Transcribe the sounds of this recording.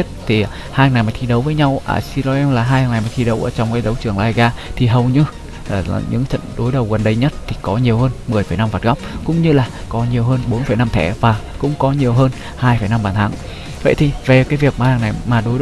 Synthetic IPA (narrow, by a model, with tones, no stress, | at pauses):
t̚t̪ʰi˨˩ | haː˧jhnːa˨˩jmaː˨˩t̪ʰi˧ɗə˨˦wvəː˨˦jɲa˧wʔə̰ː˧˩si˧lɔ˧ʔɛ˧mlaː˨˩ɦaː˧ja˨˩na˨˩jmaː˨˩t̪ʰi˧ɗə˨˦wʔəː˧˩t͡ɕɔ˧wŋ͡mkaː˨˦jɗə˨˦wt͡ɕɨ˨˩əŋlaː˧jɣaː˧t̪ʰi˨˩ɦə˨˩wɲɨ˧ | a̰ː˨˩˨ɲɨ̰˧˥ŋt͡ɕə̰˧˨nɗo˨˦jɗə˨˩wɣə˨˩nɗə˨˧jɲə˦˥t̚t̪ʰi˨˩kɔ˨˦ɲi˨˩əwɦəː˧nmɨ˨˩əjfəː˧˩jna˧mvaː˨˩t̚ɣa˦˥wp̚kʊ̰˧˥ŋ͡mɲɨ˧laː˨˩kɔ˨˦ɲi˨˩əwɦəː˧nɓo˨˦nfə˧˩jna˧mt̪ʰɛ̰˧˩vaː˨˩ | kʊ̰˧˥ŋ͡mkɔ˨˦ɲi˨˩əwɦəː˧n | haː˧jfə˧˩jna˧mɓaː˨˩nt̪ʰaː˨˦ŋ | və̰˧˨jt̪ʰi˨˩ve˨˩kaː˨˦jvi˨˩ək̚maː˨˩aː˧˩ŋna˨˩jmaː˨˩ɗo˨˦j